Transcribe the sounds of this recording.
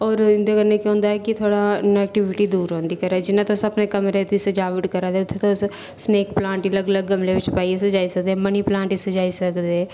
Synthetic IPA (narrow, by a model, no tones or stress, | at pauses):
ɔːɾɪ̃nd̪ekəɾnekiɦõːnd̪aɦɛkit̪ʰoːɽanɛːk̚ʈɪʋɪʈid̪uːɾɦõːnd̪ikəɾad͡ʒɪnãt̪osɐpnekɐmɾet̪ised͡ʒaːʋɪʈkəɾad̪eʊt̪ʰːet̪os | sneːkplãːɳʈiləɡləɡːɐmlebɪt͡ʃpaːiesed͡ʒaːisɐk̚d̪eɛməniplãːɳʈised͡ʒaːisɐkd̪eɛ